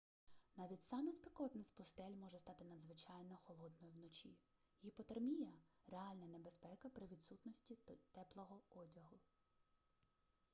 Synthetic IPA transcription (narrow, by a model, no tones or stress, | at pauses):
nɑʋʲitʲsɑmɛspʲikɔt̪nɪspʊst̪ɛlʲmɔʒɛst̪ɑt̪ɪnɐd̪zʋɪt͡ʃɑjnɐxɔlˠɔd̪nɔjʊwnɔt͡ʃʲḭ | jipɔt̪ɐrmʲijɐreɑlʲnɐnebespɛkɐpɾɪʋʲid̪sut̪nɔsʲtʲit̪ɛplˠɔɦɔɔdʲɐɦʊ